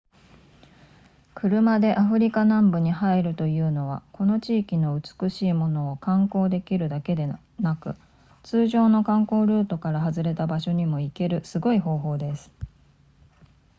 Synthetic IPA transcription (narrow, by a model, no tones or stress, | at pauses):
kʰɯ̟ɾɯ̟mad̪e̞ʔaɸɯ̟ɾʲikanãmbɯ̟ɲ̟ihaiɾɯ̟t̪o̞jɯ̟ːno̞βa̰ko̞no̞t͡ɕiːkʲino̞ɯ̟t͡sɨ̥kɯ̟ɕiːmo̞no̞ːkãŋko̞ːd̪e̞kʲiɾɯ̟d̪ake̞d̪e | nakɯ̟ | t͡sɨːʑo̞ːno̞kãŋko̞ːɾɯ̟ːt̪o̞kaɾaɦazɨɾe̞t̪abaɕo̞ɲ̟imo̞ike̞ɾɯ̟sɨɡo̞iɦo̞ːɦo̞ːd̪e̞sɨ̥